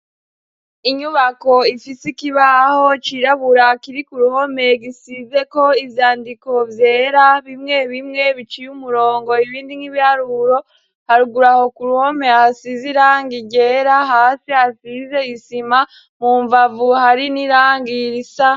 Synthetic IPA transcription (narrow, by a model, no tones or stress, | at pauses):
iɲuβako̞ifisikiβaho̞t͡ʃiɾaβuɾakiɾikuɾuho̞me̞ɡisize̞ko̞ivjaːndiko̞vje̞ːɾaβimŋe̞βimŋe̞βit͡ʃijumuɾo̞ːŋɡo̞iβiːndiŋiβihaɾuɾo̞ | haɾuɡuɾaho̞kuɾuho̞mehasiziɾaːŋɡiɟe̞ːɾaɦaːsihasize̞isima | muːɱvavuhaɾiniɾaːŋɡiɾisa